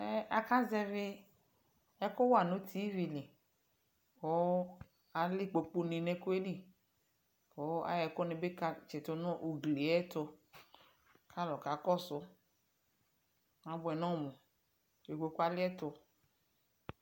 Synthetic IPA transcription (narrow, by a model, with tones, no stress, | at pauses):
ɛ˦a˨ka˦zɛ˧vɪ˦ | ɛ˦kʊ˦wa˨nʊ̃˦t̪ʰi˦vi˨lɪ˨ | ko˦ | a˨lɪ˦k͡po˨k͡pu˧nĩ˨nɛ̃˧ku˦e˦li˦ | ko˨˦a̰˦jɛ˨kʊ˦nɪ̃˨be˦ka˨t͡ʃɛ˨tʊ˦nʊ̃˦ʔu˨ɡli˨˦ɛ˦t̪ʊ˧ | kʰa˦lɔ˨ka˨kɔ˦sʊ˨˦ | a˨bʊ˨ɛ˨nɔ̃˦˨mũ˨ | e˨ko˧ku˦a˨lɪ˦ɛ˦tʊ˧